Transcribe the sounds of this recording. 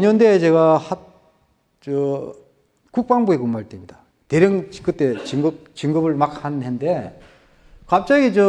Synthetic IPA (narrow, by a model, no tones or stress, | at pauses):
ɲʌndet͡ɕe̞ɣahat | t͡ɕʌ | kuk̚p͈aŋbuekɯmaɭt͈emɲida | teɾjʌŋt͡ɕkɯt͈e̞t͡ɕiŋɡɯp̚t͡ɕiŋɡɯbɯɭmak̚hannɦende̞ | kap̚t͡ɕ͈aɡit͡ɕʌ